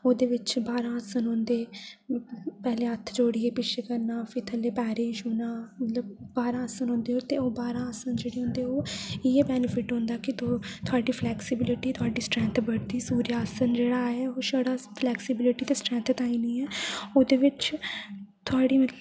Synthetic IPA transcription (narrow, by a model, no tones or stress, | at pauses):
oːd̪eːʋɪt͡ʃbaːɾãːəsənɦʊ̃nd̪eː | pɛːlẽːət̪ʰd͡ʒoːɽiːeːpɪt͡ʃʰeːkəɾnãːfɪt̪ʰəleːpɛːɾeːʃɦʊːnaːmət̪ləb̚baːɾãːsənɦʊ̃nd̪eːoːt̪eːoːbaːɾãːəsənd͡ʒeːɽeːɦʊ̃nd̪eːoːɪeːbɛːnɪpʰɪʈɦʊ̃nd̪aːkɪt̪oːt̪ʰʊaːɖiːpʰlɛːksɪbɪlɪʈiːt̪ʰʊaːɖiːsʈɾɛ̃ːnt̪ʰbəɽd̪iːsuːɾiaːsənd͡ʒeːɽaɛːoːʃaːɽaːpʰlɛːksɪbɪlɪʈiːt̪eːsʈɾɛ̃ːnt̪ʰt̪aːiːniːɛːoːd̪eːʋɪt͡ʃ | t̪ʰʊaːɖiːmə